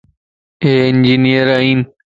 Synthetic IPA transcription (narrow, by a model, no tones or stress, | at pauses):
eːɪnd͡ʒinijəɾaːiːn